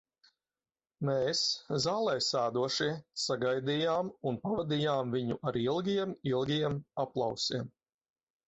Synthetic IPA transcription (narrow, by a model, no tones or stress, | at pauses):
meːszaːlˠɛjsaːd̪uɔʃiɛsaɡajd̪ijaːmunpavad̪ijaːmviɲuʔaɾilˠɡʲijɛmilˠɡʲijɛmaplˠa̰wsiɛm